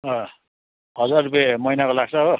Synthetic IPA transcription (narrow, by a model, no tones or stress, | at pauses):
ʌ | ɦʌd͡zarrːupemʌjnakolaɡ̚t͡sʰʌɦo